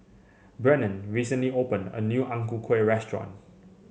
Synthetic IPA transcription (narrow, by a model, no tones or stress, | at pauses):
bɹɛnə̃nɹisə̃nliopə̃nə̰njuːʔãŋkukʰweɹɛstɹɔ̰̃n